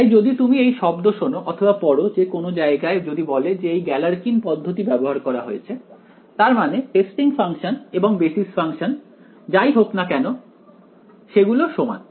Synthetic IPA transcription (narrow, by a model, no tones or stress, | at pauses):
ajd͡ʑod̪it̪umiejʃɔbd̪oʃonoʔɔt̪ʰobapɔɾod͡ʑekonod͡ʑaeɡaed͡ʑod̪ibɔled͡ʑeejɡɛlaɾkinpɔd̪ʱːot̪ibɛboɦaɾkɔɾaɦojet͡ɕʰe | t̪aɾmaneʈesʈiŋfaŋʃoneboŋbesisfaŋʃon | d͡ʑajɦoknakɛno | ʃeɡuloʃoma̰